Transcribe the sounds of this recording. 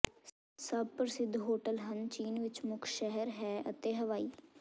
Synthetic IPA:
səb̚pəɾsɪd̪ʱɦoːʈəlɦənt͡ʃiːnʋɪt͡ʃmʊkʰʃɛɦəɾɦɛːʔət̪eːɦəʋaːiː

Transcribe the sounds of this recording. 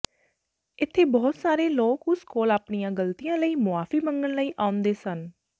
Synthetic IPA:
ɪt̪ʰːeːbɔːt̪saːɾeːloːkʊskoːlaːpɳijãːɡəlt̪ijãːləiːmʊaːfiːməŋɡənləiːʔaːʊnd̪eːsən

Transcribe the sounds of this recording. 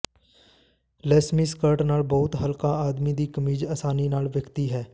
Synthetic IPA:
lɛːsmiːskəɾʈnaːlbɔːʊt̪ɦəlkaːaːd̪miːd̪iːkəmiːd͡ʒaːsaːniːnaːlʋɪkt̪iːɦɛː

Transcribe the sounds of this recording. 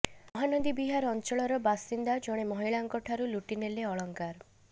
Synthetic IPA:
mɔɦanod̪ibiɦaɾɔnt͡ʃɔɭɔɾɔbasind̪ad͡ʒɔɽ̃emɔɦiɭaŋkɔʈʰaɾuluʈineleɔɭɔŋkaɾ

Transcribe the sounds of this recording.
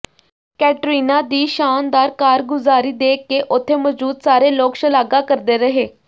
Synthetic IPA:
kɛːʈɾiːnaːd̪iːʃaːnd̪aːɾkaːɾɡʊzaːɾiːd̪eːkːeːʔʊt̪ʰːeːmɔd͡ʒuːd̪saːɾeːloːkʃəlaːɡaːkəɾd̪eːɾəɦeː

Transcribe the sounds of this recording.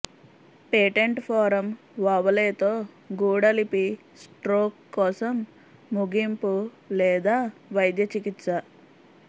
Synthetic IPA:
peːʈeɳʈpʰɔːɾɐm | ʋɐʋɐleːt̪o̞ː | ɡuːɽɐlipi | sʈɾoːkːɔːsɐmː | uɡimpu | lɛːd̪aːʋɐjd̪jɐt͡ʃikit̪sɐ

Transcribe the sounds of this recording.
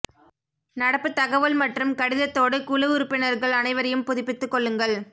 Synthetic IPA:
nɐɽɐpːɯt̪ːɐɣɐʋɐlmɐʈrɯmkɐɽɪðɐt̪ːoːɽɯkulɯʊɾɯpːɪnɐɾɣɐɭɐnɐɪʋɐɾɐjɯmpʊðɪpːɪt̪ːɯkːɔɭːɯŋɡɐɭ

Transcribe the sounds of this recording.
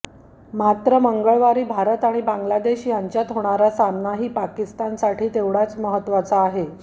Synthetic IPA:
mat̪ɾəməŋɡəɭʋaɾiːbʱaɾət̪aɽ̃ibaŋɡlad̪eɕjaɲt͡ɕjat̪ɦoɽ̃aɾasamnaɦiːpakist̪ansaʈʰiːt̪eʋɽat͡sməɦət̪ːʋat͡saːɦe

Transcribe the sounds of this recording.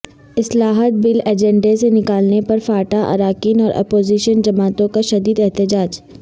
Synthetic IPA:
ɪslaːɦət̪̚bɪleːd͡ʒɛ̃ɳɖesenɪkaːlnepɐɾfaːʈaʔɐ̰ɾaːkiːnɔːɾʔɐ̰poːziʃənd͡ʒɐmaːt̪õkaʃɐd̪iːd̪ɛɦt̪ɪd͡ʒaːd͡ʒ

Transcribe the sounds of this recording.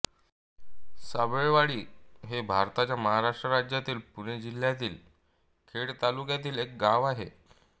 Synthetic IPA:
səbeɭʋaɽiːɦebʱaɾt̪at͡ɕjaməɦaɾaʂʈɾəɾad͡ʑjat̪iːlpuɽ̃ed͡ʑil̤ːjat̪̬iːl | kʰeɽt̪alukjat̪iːlek̚ɡaʋaɦe

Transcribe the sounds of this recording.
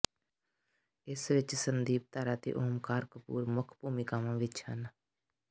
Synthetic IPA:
ɪsʋɪt͡ʃsənd̪iːb̚t̪aːɾaːt̪ḭːʔʊɦmkaːɾkəpṵːɾmʊkʰpuːmikamãːʋɪt͡ʃhən

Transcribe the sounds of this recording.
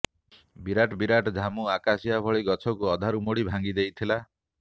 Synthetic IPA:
biɾaʈbiɾaʈd̪ʱamuakasiabʱɔɭiɡɔt͡ʃʰɔkuɔd̪ʱaɾumoɽibʱãŋɡid̪ejt̪ʰila

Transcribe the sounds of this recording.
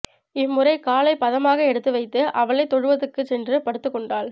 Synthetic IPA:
ɪmːʊrɐɪkaːlɐɪpɐðɐmaːɣɐɛɽɯt̪ːɯʋɐɪt̪ːɯʔɐʋɐɭɐɪt̪ːɔɻɯʋɐðɯkːɯsɛndrɯpɐɽɯt̪ːɯkːɔɳɖaːl

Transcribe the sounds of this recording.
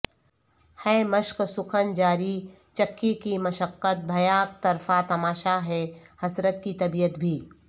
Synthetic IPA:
hɛːməʃksʊkʰənd͡ʒaːɾi | t͡ʃɐkːikimɐʃəqːət̪̚bʱɐjaːk̚t̪ɐɾfat̪ɐmaːʃaɦɛːhɐsɾət̪kit̪ɐbijət̪bʱiː

